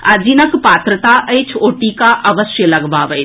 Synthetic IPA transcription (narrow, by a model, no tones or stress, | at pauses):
ad͡ʒinəkpaːt̪ɾət̪aʔəjt͡ʃʰoːʈikaʔɐʋəsjəlɐɡbaʋəj